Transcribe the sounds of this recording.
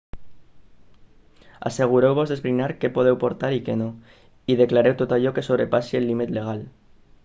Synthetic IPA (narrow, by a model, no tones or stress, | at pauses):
a̰seɣ̞uɾewβozðezβɾinaɾkepoð̞ewpoɾt̪aɾikeno | iðeklaɾewt̪ot̪aʎɔkesoβɾepasielːimit̪leɣ̞al